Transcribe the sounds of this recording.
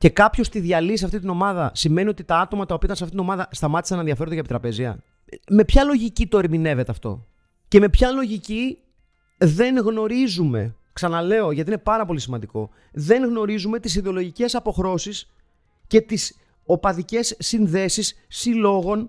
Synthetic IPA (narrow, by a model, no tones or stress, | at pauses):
ce̞kɐpço̞st̪iðiɐlisɐft̪it̪ino̞mɐðɐsime̞nio̞t̪it̪ɐɐt̪o̞mɐt̪ɐopiot̪nsft̪it̪ino̞mɐðɐst̪ɐmɐt̪i̥sɐnenðiɐfeɾd̪eɐepit̪ɾɐpe̞ziɐ̰ | me̞pçɐlo̞ʝicit̪o̞eɾmine̞vet̪eɐft̪o̞̰ | ce̞me̞pçɐlo̞ʝici | ðe̞ŋɣno̞ɾizume̞̰ | ksɐnɐle̞oʝɐt̪iinepɐɾɐpo̞lisimɐnd̪iko̞̰ | ðe̞ŋɣno̞ɾizume̞t̪is̬iðeo̞lo̞ʝice̞sɐpo̞xɾo̞sis | ce̞t̪is | o̞pɐðice̞sːinðe̞sisːilo̞ɣo̞n